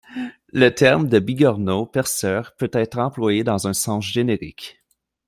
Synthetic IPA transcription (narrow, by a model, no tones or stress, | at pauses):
lət̪ʰɛʁmd̪əbiɡɑʁnopɛʁsœːʁpøt̪ɛːt̪χɑ̃plwajed̪ɑ̃zɛ̃sɑ̃sʒeneʁɪ̰k